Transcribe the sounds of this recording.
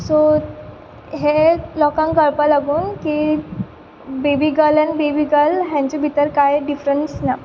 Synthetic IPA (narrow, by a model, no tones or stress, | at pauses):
so | ɦelɔkãŋkəɭpalaɡuːnki | bebiɡəlɛnibebiːɡəlɦjãɲt͡ɕebʱit̪əɾkajɖifɾəɳʈsna